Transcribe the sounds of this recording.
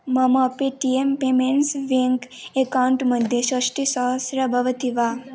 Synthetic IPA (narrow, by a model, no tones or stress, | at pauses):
məməpeʈiempemeɳʈsʋeŋk | ekauɳʈməd̪ʱjeɕəʂʈisɔɦəsɾəbʱəʋət̪iʋa